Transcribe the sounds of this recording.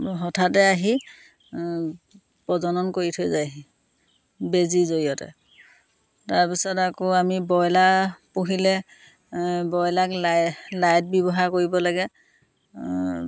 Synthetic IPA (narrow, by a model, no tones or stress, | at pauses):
ɦɔtʰatɛaɦi | pɔzɔnɔnkoɹitʰojzajaɦi | bezizoɹijɔtɛ̰ | taɹpisɔtakoamibɔjlapuɦilɛ | bɔjlakllajt̚bibɔɦaɹkoɹibɔlaɡɛ